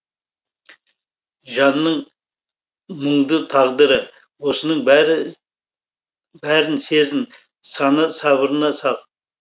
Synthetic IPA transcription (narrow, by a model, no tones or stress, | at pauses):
ʒɑnːəɴ | məɴd̪ət̪ʰɑʁd̪əɾə | wo̞sənəɴbɾɪ | bæɾɪnse̞zɪn | sɑnəsɑβəɾənɑsɑq